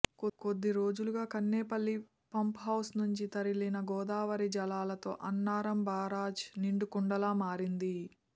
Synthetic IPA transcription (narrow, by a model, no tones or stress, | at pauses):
kkod̪ːiɾoːd͡ʒuluɡaːkɐnːɛːpɐlːi | pɐmpɦɐwsnuɲt͡ʃit̪ɐɾilinɐɡɔːd̪aːʋɐɾid͡ʒɐlaːlɐt̪o̞̰ːʔɐnːaːɾɐmbaːɾaːd͡ʒniɳɖukuɳɖɐlaːmaːɾind̪i